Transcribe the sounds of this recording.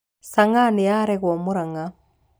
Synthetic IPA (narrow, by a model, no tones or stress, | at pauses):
saŋanijaɾɛɣwɔmuɾaŋa